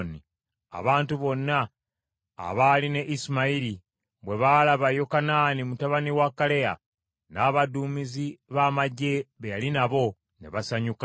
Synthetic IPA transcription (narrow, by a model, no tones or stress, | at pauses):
ni | a̰βaːntuβo̞nːa̰ː | βaːline̞ʔisimaiɾi | βwe̞βaːlaβajo̞kanaːnimutaβaniwakːaleja̰ | naːβaduːmiziβaːmaɟːe̞βejalinaβo̞ | ne̞̰βasaɲuka